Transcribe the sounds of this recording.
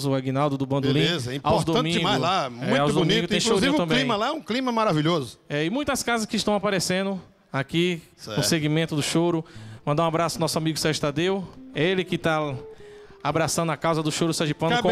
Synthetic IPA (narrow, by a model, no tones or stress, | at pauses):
zʊaɡinawd̪ʊd̪ʊbɐ̃nd̪olĩezɐĩawzd̪oɐ̃mĩmaɡʊlamɛũawzd̪bmĩɡʊt̪ẽj̃louzĩṽt̪ɐ̃mkbelĩmɐlaɛũklĩmɐmaɾaviʎozʊɛɪmũj̃t̪ɐskazɐskɪʃt̪ɐ̃w̃apaɾesẽnd̪ʊ | aki | ɛnʊ̃seɡimẽnt̪ʊd̪ʊʃowɾʊmɐ̃nd̪ũabɾasʊnɔsʊamiɡʊsɛwʒʊt̪ad̪ewɛelɪkɪt̪a | abɾasɐ̃d̪ʊakawzɐd̪ʊʃowɾʊsaʒipɐ̃nk